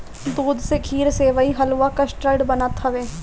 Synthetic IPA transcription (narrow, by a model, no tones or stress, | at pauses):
d̪uːd̪sekʰiːɾseːʋəiɦɐlʋakɐsʈəɾɖbɐnət̪ɦɐʋeː